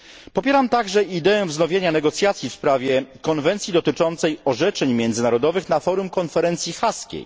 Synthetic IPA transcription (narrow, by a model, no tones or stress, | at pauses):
pɔpʲjɛɾamt̪aɡʐɛid̪ɛɛ̃vznɔvʲjeɲanɛɡɔt̪sʲjat̪sʲjifspɾavʲjɛkɔnvɛnt̪sʲjid̪ɔt̪ɘt͡ʂɔnt̪sɛjɔʐɛt͡ʂɛɲmʲjɛnd̪zɘnaɾɔd̪ɔvɘxnafɔɾumkɔnfɛɾɛnt̪sʲjixaskʲḛj